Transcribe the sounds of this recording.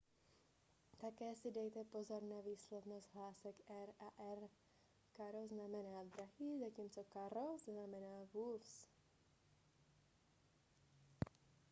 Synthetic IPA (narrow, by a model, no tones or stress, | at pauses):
t̪akɛːsɪdɛjt̪ɛpo̞zoɾnaviːslɛvnost̪ɦlaːsɛkʔɛɾaʔɛr | kaɾoznamɛnaːd̪ɾaɦiːzaciːmt͡sokaɾoznamɛnaːvufs